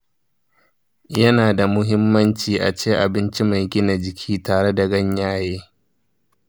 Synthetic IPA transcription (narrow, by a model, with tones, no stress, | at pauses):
jɐ˦naː˨da˨mʊ˦ɦɪ˦mːɐ˦nt͡ʃiː˨ʔa˨t͡ʃeː˦˨ʔa˨bɪ˦nt͡ʃi˦ma˨jɡʲɪ˦na˨d͡ʒɪ˨kʲʰiː˦taː˨ɽe˦da˨ɡɐ˦ɲjaː˦jeː˦